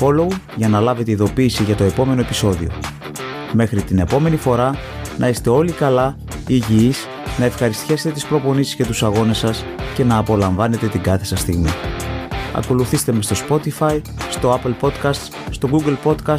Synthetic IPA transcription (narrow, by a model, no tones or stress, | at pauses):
fo̞lo̞u | ʝɐnɐlɐve̞t̪eiðo̞piːsiʝɐt̪o̞e̞po̞me̞no̞epi̥so̞ðḭo̰ | me̞xɾit̪ine̞po̞me̞nifo̞ɾɐ | nɐise̥t̪e̞o̞likɐlɐ | iʝiis | nɐe̞fxɐɾist̪çese̞t̪e̞t̪ispɾo̞po̞nisisce̞t̪usɐɣo̞ne̞sɐs | ce̞nɐːpo̞lɐɱvɐne̞t̪e̞t̪iɡɐθe̞sɐst̪iɣmi | ɐ̰ko̞luθist̪e̞me̞st̪o̞spo̞t̪ifɐi | st̪o̞ɐpelpo̞t̪kɐst̪ | st̪o̞ɡuɡlpo̞t̪kɐs